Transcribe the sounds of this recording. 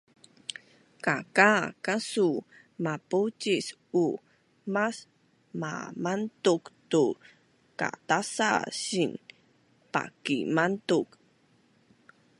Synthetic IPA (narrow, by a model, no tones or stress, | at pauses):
kakakasu | maput͡ʃis | u | mas | ma̰mantuktu | ka̰tasa̰sin | pa̰kimantuk